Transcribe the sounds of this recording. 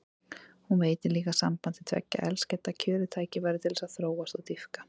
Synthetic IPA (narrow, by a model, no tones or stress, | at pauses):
hunveːjt̪ɪliːkasa̰mpant̪ɪt̪ʰv̥ɛ̰cːa̰ʔɛ̰lscɛt̪ːacʰʏːɾʏt̪ʰaːjcɪvajɾɪt̪ʰɪlsaðθɾoːwast̪awt̪ifkḁ